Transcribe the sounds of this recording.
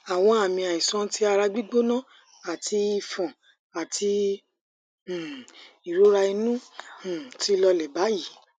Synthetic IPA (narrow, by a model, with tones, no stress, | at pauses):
a˨w̃ɔ̃˧a˨mĩ˧a˨i˨sã˧˦ti˦a˧ɾa˧ɡ͡bi˦ɡ͡bo˦nã˦ | a˨tʰi˧i˧fɔ̃˨ | a˨tʰi˧˨ | i˨ɾo˦ɾa˧i˧nũ˦˨ | ti˨˦lɔ˧lɛ˨ba˨˦ji˦˨